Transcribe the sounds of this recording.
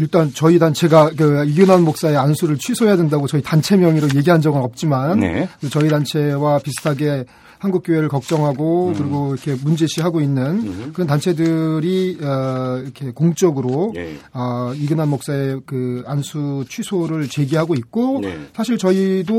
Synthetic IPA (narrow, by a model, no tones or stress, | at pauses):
iɭt͈ant͡ɕʌidant͡ɕʰe̞ɡakɯiɡɯnɦanmok̚s͈ae̞ansʰuɾɯɭt͡ɕʰwisʰoejadwendaɡot͡ɕʌitant͡ɕʰe̞mjʌŋiɾoje̞ɡiɦand͡ʑʌɡɯnʌp̚t͡ɕ͈iman̰kɯt͡ɕʌidant͡ɕʰe̞wapisʰɯ̥tʰaɡe̞ | hanɡuk̚k͈joeɾɯɭkʌk̚t͡ɕ͈ʌŋɦaɡokɯɾiɡoɾʌkʰe̞mund͡ʑeɕʰiɦaɡoinːɯnkɯɾʌntant͡ɕʰe̞dɯɾiʌiɾʌkʰe̞koŋt͡ɕ͈ʌɡɯɾoʌiɡɯnɦanmok̚s͈ae̞kɯansʰut͡ɕʰɥisʰoɾɯɭt͡ɕe̞ɡiɦaɡoit̚k͈osʰaɕʰiɭt͡ɕʌido